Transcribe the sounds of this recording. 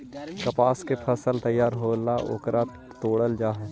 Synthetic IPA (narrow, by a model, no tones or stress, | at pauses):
kɐpaːskepʰəsəlt̪əjːaːɾɦolaʔo̰ːkɾa | t̪oːɽəld͡ʒaːɦɛ̃ː